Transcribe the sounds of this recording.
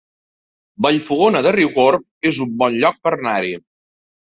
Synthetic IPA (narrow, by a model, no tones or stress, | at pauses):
bəʎfuɣonəðəriwɣoɾp | ezumbɔnʎɔk̚pərnaɾi